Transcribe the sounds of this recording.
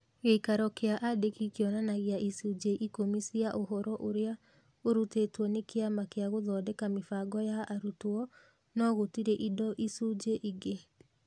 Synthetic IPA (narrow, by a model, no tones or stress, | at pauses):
ɣeikaɾɔkeaʔadekikeɔnanaɣeaʔisud͡ʒeʔikomisiaʔoɦɔɾɔʔoɾea | oɾutetwɔnekeamakeaɣoðɔdɛkamefaɡɔjaaɾutoɔ | nɔɣotiɾɛʔidɔʔisud͡ʒeʔiɡe